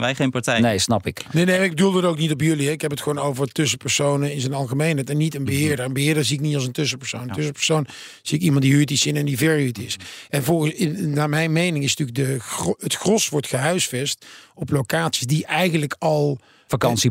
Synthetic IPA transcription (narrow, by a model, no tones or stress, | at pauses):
ʋɛjχejnpaɹtɛjnejsnɑpɪknenejmaɪɡbədulˠdəətowknitɔpjɵliɦɛɪkɦɛpətχəʋoːnowvərtʏsəpəɹsownənɪnzənɑlˠχəmejnɦɛjtɛnːitənbəɦɪːɹdəɹənbəɦɪːɹdəɹziɪknitɑlˠs̬əntʏsəpəɹsownəntɵsəpə̥ɹsown | z̥iɪkimɑntdiɦytisɪnɛndivɛɹytɪsɛnvɔlˠɣəɪnaːmɛjnmejnɪŋɪsntyːɹk̚dəətxrɔsʋɔɹtxəɦœɥsfɛstɔplowkaːtsi̥sdiʔɛjɣənləkɑlˠ | fakɑnsi